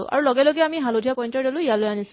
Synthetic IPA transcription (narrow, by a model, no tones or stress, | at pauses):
ʊʔa̰ɹulɔɡɛloɡɛamiɦalodʱijapɔjntɔɹdɔlʊijalojanis